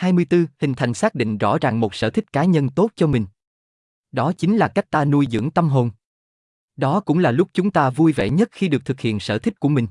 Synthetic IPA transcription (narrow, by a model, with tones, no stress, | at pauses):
haː˧jmɨ˧əjt̪ɨ˧hï˨˩ŋ̟t̪ʰa˨˩jŋ̟saː˦˥k̚ɗḭ̈˧˨ŋ̟zɔ̰˧˥zaː˨˩ŋmo˨˩t̚sə̰ː˧˩t̪ʰï˦˥k̟̚kaː˨˦ɲə˧nt̪o˦˥t̚t͡ɕɔ˧mï˨˩ŋ̟ | ɗɔ˨˦t͡ɕï˨˦ŋlaː˨˩ka˦˥jk̚t̪aː˧nu˧jzɨ̰˧˥əŋt̪ə˧mɦo˧˩n | ɗɔ˨˦kʊ̰˧˥ŋ͡mlaː˨˩lʊ˦˥k͡p̚t͡ɕʊ˨˦ŋ͡mt̪aː˧vu˧jvḛ˧˨ɲə˦˥t̚xi˧ɗɨ˨˩ək̚t̪ʰɨ˨˩k̚hḭ˧˨ənsə̰ː˧˩t̪ʰï˦˥k̚ku˧˩əmï˨˩ŋ̟